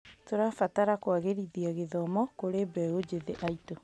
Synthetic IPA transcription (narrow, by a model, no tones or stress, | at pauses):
toɾafataɾakwaɣeɾiðiaɣeðɔmɔkoɾebɛod͡ʑeðeʔaito